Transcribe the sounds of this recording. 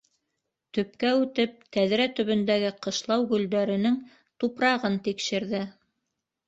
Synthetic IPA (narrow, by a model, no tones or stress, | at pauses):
t̪ɵ̆pkæʉt̪ɘp̚k̪æðɾæt̪ɵ̆βɵ̆nd̪æɡɘqɤ̆ʃlˠɑwɡɵ̆ld̪æɾɘ̆nɘŋ | t̪upɾɑʁɤnt̪ikʃɘ̆ɾðɘ